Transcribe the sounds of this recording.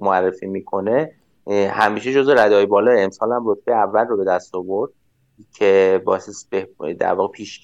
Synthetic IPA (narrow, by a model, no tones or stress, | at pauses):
moærːe̞fiːmiːkʰo̞ne | hæmiːʃed͡ʒo̞zeɾæd̪ɒːjebɒːlɒːjeemsɒːlæmro̞t̪̚ʰb̥ejeævːælrobe̞d̪æst̪ɒbo̞ɾd̪̥̚ | cʰe̞bɒːsesbed̪æ̰ɾvɒːɣepʰiːʃ